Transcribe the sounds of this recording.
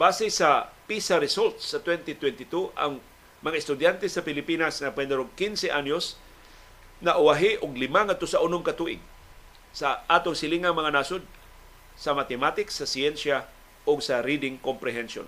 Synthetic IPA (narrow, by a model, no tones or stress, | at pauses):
b̥aːsɪsɐpisaɾɪsolt̪sːɐt̪wɛnt̪ɪt̪wɛnt̪ɪt̪uʔɐ̰ŋ | mɐŋaɪst̪ʊd̪jant̪ɛsɐpɪlɪpiːnasŋɐpwɛd̪ɛɾoɡkinsɛʔaɲjos | nɐʔʊaɦɪʔʊɡlɪmaŋat̪ʊsaʔʊnʊmkɐt̪uʔɪ̰ɡ | saʔaːt̪oŋsɪlɪŋaŋmɐŋanasʊd̪̚ | sɐmat̪ɛmat̪ɪksɐsiɛnsja | ʔoɡsɐɾid̪ɪŋkompɾɛɦɛnʃo̰n